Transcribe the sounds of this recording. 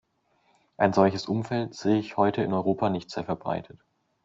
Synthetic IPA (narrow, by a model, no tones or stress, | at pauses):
ʔaɪnzɔlçəsʔʊmfɛltz̥eːəɪçhɔʏtʰəɪ̰nɔʏʁoːpanɪçtz̥eːɐfɛɐbʁa̰ɪtʰət